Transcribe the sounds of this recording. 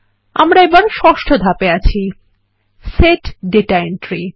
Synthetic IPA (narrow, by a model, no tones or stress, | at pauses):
a̰mɾaebaɾʃɔʃʈʰod̪ʱapeat͡ɕʰi | seʈɖeʈaenʈɾi